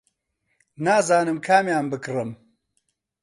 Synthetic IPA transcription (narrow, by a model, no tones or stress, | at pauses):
naːzaːnɨmkʰaːmjaːmbɨkrɨm